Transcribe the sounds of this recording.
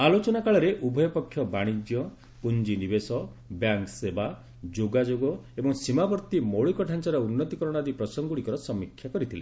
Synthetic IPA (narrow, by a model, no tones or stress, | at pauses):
alot͡ʃɔnakaɭɔɾeʔubʱɔjɔpɔkʰːjɔbaɽ̃id͡ʒjɔ | pund͡ʒinibesɔ | bjaŋkseba | d͡ʒoɡad͡ʒoɡɔebɔŋsimabɔɾt̪imɔɭikɔʈʰant͡ʃɔɾɔunːɔt̪ikɔɾɔɽ̃ad̪ipɾɔsɔŋɡuɽikɔɾɔsɔmːikʰːjakɔɾit̪ʰile